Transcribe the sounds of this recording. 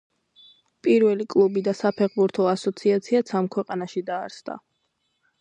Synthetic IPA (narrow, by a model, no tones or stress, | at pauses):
pʼiɾvɛlikʼlˠubid̪asapʰɛʁbuɾt̪ʰɔasɔt̪sʰiat̪sʰiat̪sʰamkʰwɛqʼanaʃid̪aːɾsd̪a̰